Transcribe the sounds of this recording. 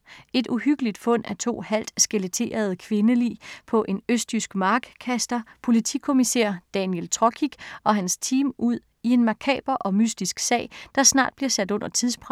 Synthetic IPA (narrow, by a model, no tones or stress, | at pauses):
e̝d̥uɦyɡ̥əlid̥fɔ̽n̰æɐt͡sʰo̝̰ːhæl̰d̥sɡ̥elet͡sʰe̝̰ːɐð̞ˠkʰʋe̝nəlḭːpʰɒ̽ʔe̝nøsd̥ysɡ̥mɑ̈ːɡ̥kʰæsd̥ɐpʰo̝lit͡sʰikʰo̝misḛɐd̥ɛnjelt͡sʰʁɒkʰiɡ̥ʔɒ̽ɦænst͡sʰiːmuð̰ˠ | ie̝nmɑ̈kʰɛ̰ːb̥ɐʔɒ̽mysd̥isɡ̥sɛ̰ːɪd̥ɑ̈snɑ̰̈ːd̥b̥liɐsæd̥ɔ̽n̰ɐt͡sʰiðˠspʰʁɑ